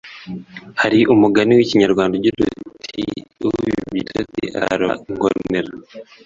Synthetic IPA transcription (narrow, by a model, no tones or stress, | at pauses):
haɾiʔumuɡaniwiciɲaɾɡwaːndaɟutṵtʰiujuβitʰatḭʔa̰ɾa̰ŋɡo̰neɾa